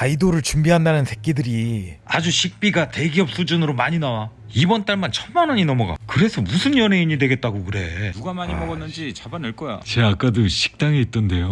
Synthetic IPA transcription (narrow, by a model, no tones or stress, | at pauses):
aidoɾɯɭt͡ɕumbiɦandanɯnsʰe̞k̚k͈idɯɾia̰d͡ʑuɕʰik̚p͈iɡate̞ɡiʌp̚s͈ud͡ʑunɯɾomaɲinawa | ibʌnt͈aɭmant͡ɕʰʌnmanʌɲinʌmʌɡa̰kɯɾe̞sʰʌmusʰɯnjʌnɦe̞iɲidwe̞ɡe̞t̚t͈aɡokɯɾe̞̰nuɡamaɲimʌɡʌnːɯnd͡ʑit͡ɕabanɯɭk͈ʌja̰t͡ɕeak͈adoɕʰi̥k̚t͈aŋeit͈ʌnde̞jo